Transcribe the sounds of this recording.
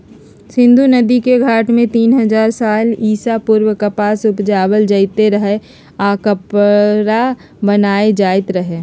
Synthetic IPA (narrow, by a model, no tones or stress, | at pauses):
sɪ̃nd̪ʱunɐd̪ikeɡʱaːʈmẽt̪iːnɦɐzaːɾsaːliːsapʊɾwəkɐpaːsʊpd͡ʒaːwəld͡ʒɐɪt̪eɾəɦe | aːkəpɾa | bənaːed͡ʒaːɪt̪ɾɐɦeː